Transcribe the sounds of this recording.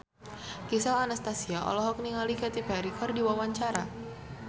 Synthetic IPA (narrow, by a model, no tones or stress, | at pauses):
kisalanast̪asiaʔɔ̰lɔɦɔk̚niŋalikat̪ipaɾikɔrdiwawaɲt͡ʃaɾa